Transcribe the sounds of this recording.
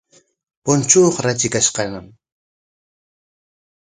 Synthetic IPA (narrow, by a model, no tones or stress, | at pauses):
pʊnt͡ʃuːχɾat͡ʃɪkaʃqɑnam